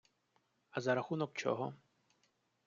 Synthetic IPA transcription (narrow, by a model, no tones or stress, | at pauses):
ɐzɐɾaxunɔkt͡ʃɔ̰ɦɔ̰